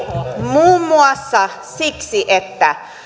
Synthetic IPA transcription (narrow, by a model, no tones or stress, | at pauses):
muːmːuɑsːɑ | siksiʔet̪ːæ